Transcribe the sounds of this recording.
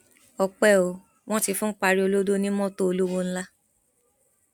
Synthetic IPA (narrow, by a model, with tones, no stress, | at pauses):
ɔ˨k͡pɛ˦˨o˨ | w̃ɔ̃˦ti˧fũ˦k͡pa˧ɾi˦o˧lo˦do˦nĩ˦mɔ̃˦˨to˦o˧lo˦wo˦ñ̩˦la˦